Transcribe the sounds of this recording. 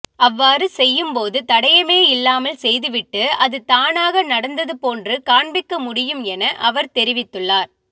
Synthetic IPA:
ɐʋːaːrɯsɛjːɯmpoːðɯt̪ɐɽɐjɐmeːɪlːaːmɐlsɛjðɯʋɪʈːɯɐðɯt̪aːnaːɣɐnɐɽɐnd̪ɐðɯpoːndrɯkaːɳbɪkːɐmʊɽɪjɯmɛnɐʔɐʋɐɾt̪ɛɾɪʋɪt̪ːɯɭːaːɾ

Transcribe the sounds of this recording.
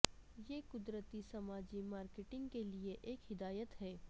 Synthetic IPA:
jeːkʊd̪ɾət̪isɐmaːd͡ʒimaːɾkeʈɪ̃ŋɡkelieʔeːkɦɪd̪aːjət̪ɦɛː

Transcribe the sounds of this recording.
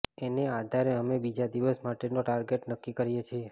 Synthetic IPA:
enead̪ʱaɾeəmebid͡ʒad̪iʋəsmaʈenoʈaɾɡeʈnəkːikəɾijet͡ʃʰie

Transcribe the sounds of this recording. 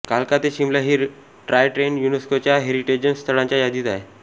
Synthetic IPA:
kalkat̪eɕimlaɦiː | ʈɾajʈɾenjuneskot͡ɕjaɦeɾiʈed͡ʑənst̪ʰəɭãɲt͡ɕjajad̪iːt̪ae

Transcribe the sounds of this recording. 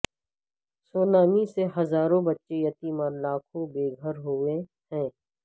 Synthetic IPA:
soːnaːmiseɦɐzaːɾõbɐtːʃejɐt̪imãlaːkʰõbeːɡʱəɾɦoẽ | hɛ̃ː

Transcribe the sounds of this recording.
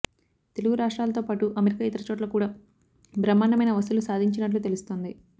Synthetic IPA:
t̪e̞luɡuɾaːʂʈɾaːlɐt̪oːpaːʈuʔɐmeɾikaːit̪ɐɾɐt͡ʃoːʈ̬lɐkuːɽaː | bɾɐmːaːnɐmɐjnɐʋɐsulusaːd̪ʱiɲt͡ʃinɐʈ̬lut̪e̞lust̪o̞ːnd̪i

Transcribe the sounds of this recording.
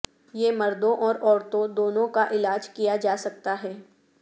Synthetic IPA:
jemɐɾd̪õʔɔːɾɔːɾt̪õd̪oːnõkaʔɪlaːd͡ʒkijad͡ʒaːsɐk̚t̪aɦɛː

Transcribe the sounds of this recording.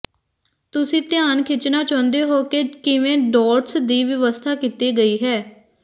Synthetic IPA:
t̪ʊsĩːt̪ɪjaːnkʰɪt͡ʃnaːt͡ʃãːnd̪eːɦoːkeːkɪʋẽːɖɔːʈsd̪iːʋjəʋəst̪ʰaːkit̪eːɡəiːɦɛː

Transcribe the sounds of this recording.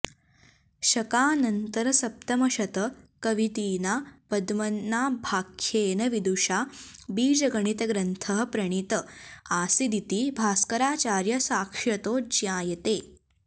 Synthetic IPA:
ɕɐkaːnɐnt̪əɾɐsɐp̚t̪ɐmɐɕɐt̪əkɐʋit̪iːnapɐd̪mɐnːaːbʱaːkʰjeːnɐʋid̪uʂabiːd͡ʒɐɡɐɳ̃it̪ɐɡɾɐnt̪ʰəɦɐpɾɐɳ̃it̪əaːsid̪it̪iːbʱaːskɐɾaːt͡ʃaːɾjɐsaːkʂɐt̪oːd͡ʒjãːjɐt̪eː

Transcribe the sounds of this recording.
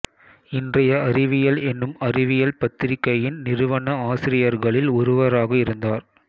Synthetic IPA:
ɪndrɐjɐɐɾɪʋɪjɐlɛnːɯmɐɾɪʋɪjɐlpɐt̪ːɪɾɪkːɐjɪnnɪɾɯʋɐɳɐaːsɪɾɪjɐɾɣɐɭɪlʊɾʊʋɐɾaːɣɐɪɾɯnd̪aːɾ

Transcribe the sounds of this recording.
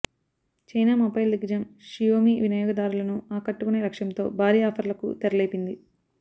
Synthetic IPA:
t͡ʃɐjnaːmɐpːɐjld̪iɡd͡ʒɐmʃijoːmiːʋinɐjoːɡɐd̪aːɾulɐnuaːkɐʈːukuneːɾɐkʂɐnt̪o̞̰ːbʱaːɾiːaːpʰɐɾlɐkṵt̪ɛɾɐleːpind̪i

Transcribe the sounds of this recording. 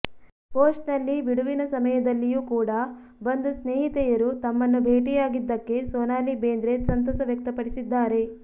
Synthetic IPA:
poːsʈnɐlːiʋiɽuʋinɐsɐmɐjɐd̪ɐlːijuːkuːɽɐ | bɐnd̪usneːɦit̪ɛjɐɾut̪ɐmːɐnːubʱeːʈijaːɡid̪ːɐkːe̞soːnaːlibeːnd̪ɾet̪sɐnt̪ɐsɐʋjɐk̚t̪ɐpɐɽisid̪ːaːɾe̞

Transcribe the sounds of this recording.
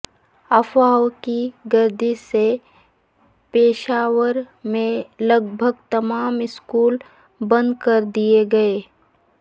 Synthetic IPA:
ɐfaːokiɡɐɾd̪ʱise | peːʃaːʋəɾ | mẽlɐɡbʱəɡt̪ɐmaːmɪskuːl | bə̃nd̪kɐɾd̪ieɡɐeː

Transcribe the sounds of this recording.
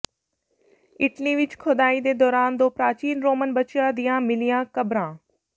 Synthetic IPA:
ɪʈliʋɪt͡ʃkʰʊd̪aːid̪eːd̪ɔːɾaːnd̪oːpɾaːt͡ʃiːnɾoːmənbɐt͡ʃjad̪ijãmɪlijãːkɐbɾãː

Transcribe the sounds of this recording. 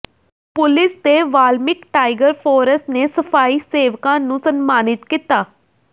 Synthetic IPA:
pʊlɪst̪eːʋaːlmɪkʈaːɪɡəɾpʰoːɾəsʈneːsəpʰaːiːseːʋkãːnũːsənmaːnɪt̪kɪt̪aː

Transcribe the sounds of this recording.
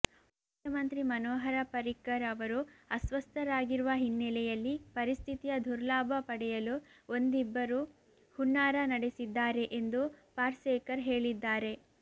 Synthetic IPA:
mmukʰjɐmɐnt̪ɾimɐnoːɦɐɾɐpɐɾikːɐɾɐʋɐɾuɐsʋɐst̪ʰɐɾaːɡiɾuʋɐɦinːɛlɛjɐlːipɐɾist̪ʰit̪ijɐd̪ʱuɾlaːbʱɐpɐɽɛjɐlu | o̞nd̪ibːɐɾu | huɳːaːɾɐnɐɽesid̪ːaːɾe̞ʔend̪upaːɾseːkɐɾɦe̞ːɭid̪ːaːɾe̞

